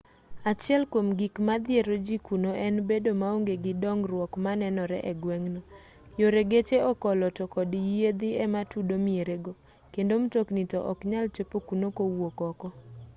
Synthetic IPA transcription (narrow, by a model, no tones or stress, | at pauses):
at͡ʃɪɛlkwomɡikmad̪ɪeɾod͡ʒikunoʔɛnbedomaoŋɡeɡɪdɔŋɾwɔkmanɛnɔɾɛ̰ʔɛɡwɛŋnɔ | joɾeɡet͡ʃeɔkɔlɔtɔkɔdijjed̪iɛmatudomieɾeɡo | kendomtoknitɔʔɔkɲalt͡ʃepokunokowokɔkɔ